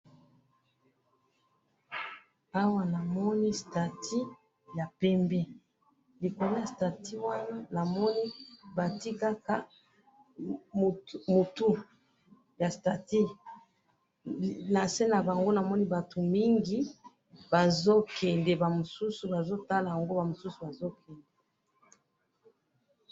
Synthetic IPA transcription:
a˦wa˦na˨mɔ˦ni˦sta˨tʰi˦ | ja˨pɛ˦mbɛ˦ | li˨ko˨lo˦ja˨sta˨ti˦wa˦na˦na˨mɔ˦ni˦ba˨ti˦ka˦ka˦˨ | mo˨tu˦ | ja˨sta˨ti˦ | na˨se˦na˨ba˨ŋɡo˦na˨mɔ˦ni˦ba˨to˨mi˦ŋɡi˨ | b̥a˨zo˦kʰɛ˨nde˨ba˨mo˨su˦su˨ba˨zo˦ta˦la˨ja˨ŋɡo˦ba˨mo˨su˦su˨ba˨zo˦kʰɛ˨ndɛ˨

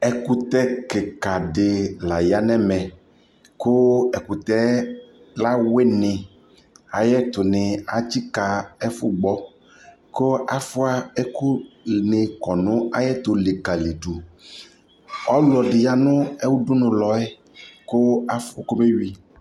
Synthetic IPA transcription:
ɛ˨ku˦t̪ɛ˦kɪ˨ka˨ɖɪ˨la˨ja˨nɛ̃˦mɛ̃˨ | kʊ˦ɛ˨ku˨t̪ɛ˦ | la˦we˦nɪ˨ | a˨jɛ˦t̪ʊ˨nɪ˨a˨t͡ʃi˦ka˨ɛ˦fʊ˦ɡ͡bɔ˦ | ko˦a˦fʊ˦a˦ɛ˦kʊ˦nɪ˨kɔ˨nʊ̃˦a˦jɛ˦t̪ʊ˨lɪ˨ka˨li˨ɖu˨ | ɔ˦lɔ˨ɖɪ˨ja˨nʊ̃˦ɛ˦wu˦dʊ˦nʊ̃˨lɔ˨ɛ˦ | kʊ˦a˦fko˦me˦ɥi˦

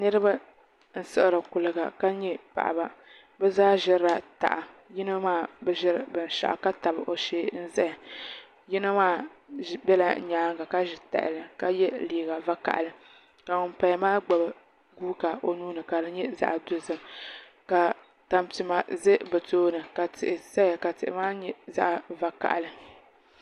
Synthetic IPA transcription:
nɨ˦ɾɨ˦ba˦ | n̩˦sɨ˦ʔɨ˦ɾɨ˨kʊ˨lɨ˨ɡa̰˨ka˦ɲɛ˦pa̰˨ʔa̰˨ba˦˨ | bɛ˦zaː˦ʒɪ˦ɾɾa˨ta̰˨ʔa˨ | jɪ˦na˦maː˦bɛ˦ʒɪ˦ɾbɨ˨n˨ʃa̰˨ʔa̰˨ka˦ta˨bɨ˨ʔo˨ʃeː˦n̩˦zɛ˦˨ | jɪ˦nɨ˦maː˦bɛ˦la˨˦ɲaː˨˦ŋ˦ɡa˨ka˦ʒɪ˨ta̰˨ʔɪ̰˨lɨ˨ka˨jɛ˦liː˨ɡa˨va˦ka̰˨ʔa̰˨lɨ˨ | ka˨ŋʊ˨mpa˦jmaː˦ɡ͡ba˨b | ɡuː˦ka˨ʔo˨nuː˦nɨ˨ka˨dɨ˦ɲɛ˦za̰˦ʔdʊ˦zɨ˨m | ka˨ | ta˨mti˨ma˨zɨ˦bɨ˨toː˦nɨ˨ka˨tɪ˨ʔɪ˨sa˦a˨ka˨tɪ̰˨ʔɪ̰˨maː˦ɲɛ˦za̰˦ʔa˨va˦ka̰˨ʔa˨lɨ˨

